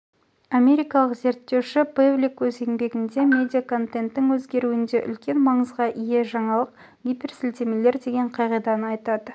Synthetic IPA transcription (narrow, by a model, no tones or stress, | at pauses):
amʲe̞ɾijjkɑlˠəqze̞ɾt̪ːe̞wʃɪbeblʲikwɵzeŋbe̞ɡʲɪnd̪e̞mʲe̞d̪ʲijakʰo̞nt̪ent̪ːɪŋwɵzɡʲe̞ɾuɪnd̪e̞ʔʏ̰lkʲe̞nmɑɴəzʁɑʔije̞ʒɑɴɑlˠəq | ɡʲipʲersɪlt̪e̞me̞le̞ɾd̪e̞ɡʲe̞ɴqʰɑjʁijd̪ɑnəɑjt̪ɑd̪ə